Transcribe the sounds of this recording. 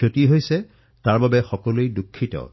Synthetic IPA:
otiɦojsɛ | taɹbabɛxɔkɔlejdukʰːitɔ̰

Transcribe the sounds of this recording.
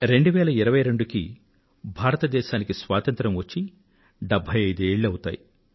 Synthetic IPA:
ɾe̞ɳɖuʋɛːlɐiɾɐʋɐjɾe̞ɳɖukḭ | bʱaːɾɐt̪ɐd̪ɛːʃaːnikisʋaːt̪ɐnt̪ɾɐmʋɐt͡ʃːi | ɖɛbʱɐjɐjd̪ueːɭːuɐwut̪a̰ːji

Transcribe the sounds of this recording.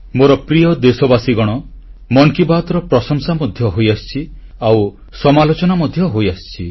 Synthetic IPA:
moɾɔpɾijɔd̪esɔbasiɡɔɽ̃ɔ | mɔŋkibat̪ɔɾɔpɾɔsɔŋsamɔd̪ʱjɔɦojast͡ʃʰi | aw | sɔmalot͡ʃɔnamɔd̪ʱjɔɦojast͡ʃʰi

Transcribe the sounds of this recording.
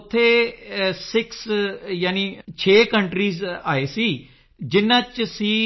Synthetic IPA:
ʊt̪ʰːeːsɪksjaːniːt͡ʃʰeːkəɳʈɾiːzaːeːsiː | d͡ʒɪnːãːt͡ʃsiː

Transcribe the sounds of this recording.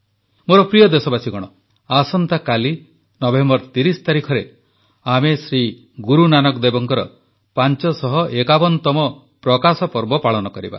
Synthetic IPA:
moɾɔpɾijɔd̪esɔbasiɡɔɽ̃ɔ | asɔnt̪akali | nɔbembɔɾt̪iɾisɔ̥t̪aɾikʰɔɾe | amesɾi | ɡuɾunanɔkd̪ebɔŋkɔɾɔ | pant͡ʃɔsɔɦɔʔekabɔnt̪ɔmɔ | pɾɔkasɔpɔɾbɔpaɭɔnɔkɔɾḭba̰

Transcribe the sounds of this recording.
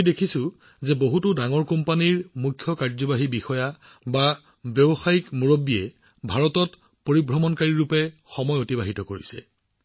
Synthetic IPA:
dekʰisʊ̃ | zɛboɦutʊdaŋɔɹkɔmpaniɹmukʰːjɔkaɹzɔbaɦibixɔja | ba | bjɔbɔxajikmuɹobːiɛ | bʱaɹɔtɔt | poɹibʱɹɔmɔnkaɹiɹupɛxɔmɔjotibaɦitɔkoɹisɛ̰

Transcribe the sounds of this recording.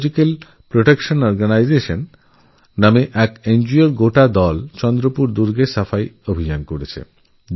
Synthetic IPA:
d͡ʑikel | pɾoʈekʃonɔɾɡanajd͡ʑeʃonː | ameʔɛkend͡ʑioɾɡoʈad̪ɔlt͡ɕɔnd̪ɾopuɾd̪uɾɡesafajobʱid͡ʑankoɾet͡ɕʰḛ

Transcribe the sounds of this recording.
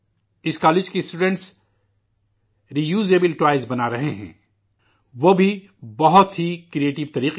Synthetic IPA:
ɪskaːlɪːd͡ʒkisʈuːɖɛ̃ɳʈs | ɾijuːzeːbɪlʈʋaːɪzbɐnaɾɐɦeɦɛ̰̃ː | ʋobʱi | bɐɦʊt̪ɦikɾieːʈɪʋt̪ɐɾiːq

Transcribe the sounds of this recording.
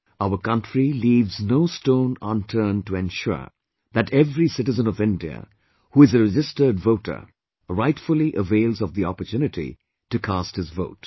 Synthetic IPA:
aʊə˞kʌ̃ntɹiliːvznoʊstõʊ̃nə̃ntʰə˞ntuɛ̃nʃʊ̰ɹ | ðætɛvɾisɪʈɨzə̃nɔvɪ̃ndiə̰ | huːɪzəɹɛd͡ʒɪstə˞dvoʊtʰə̰˞ | ɹaɪtfəl̩ˠiʔəveɪlˠzɔvðiɔ̰pətʰjʉnɨʈḭ | tɨkʰasthɨzvo̰ʊt

